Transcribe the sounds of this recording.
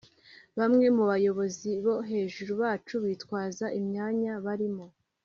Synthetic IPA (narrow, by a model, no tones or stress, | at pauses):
βamŋe̞muβajo̞βo̞ziβo̞ɦe̞ːʒuɾuβaːt͡ʃuβiːtkwaːzaʔimɲaːɲaβaɾimo̞